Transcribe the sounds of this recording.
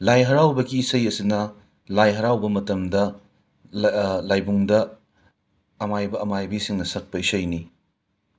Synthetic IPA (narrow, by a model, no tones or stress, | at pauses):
lajɦɐɾawbɐɡiːsɐjɐsinɐ | lajɦɐɾawbɐmɐtɐmdɐ | lajbuŋdɐ | majbɐɐmajbisiŋnɐsɐk̚pɐisɐjni